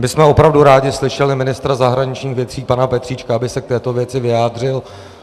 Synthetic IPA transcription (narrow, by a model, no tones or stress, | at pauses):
mɪsmɛo̞pɾavduɾaːɟɪslɪʃɛlɪmɪnɪst̪ɾazaɦɾaɲɪt͡ʃɲiːxvjɛt̪r̥iːpanapɛt̪r̥iːt͡ʃkaabɪsɛk̚t̪ɛːt̪o̞vjɛt͡sɪvɪjaːd̪r̝ɪl